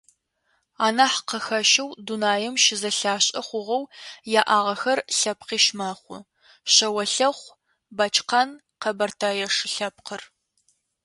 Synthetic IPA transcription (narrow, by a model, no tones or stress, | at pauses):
aːnaħqɐxɐʃɐwdunaːjɛmʃɪzɐɬaːɕʼɐχʷʊʁɐwjaːʔaːʁɐxɐrɬɐp̚qiːʃmaːχʷʊ | ɕɐwɐɬɐχʷ | bɐt͡ʃʼqɐn | qɐbɐrtʰaːjɐʂɪɬɐpqər